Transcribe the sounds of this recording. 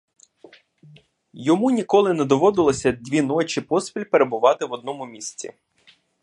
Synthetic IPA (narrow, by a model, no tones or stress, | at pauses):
jɔmunʲikɔlˠɪnɛd̪ɔʋɔd̪ɪlˠɔsʲɐd̪ʲʋʲinɔt͡ʃipɔspʲilʲpeɾebʊʋɑt̪ɪʋɔd̪nɔmʊmʲisʲt͡sʲḭ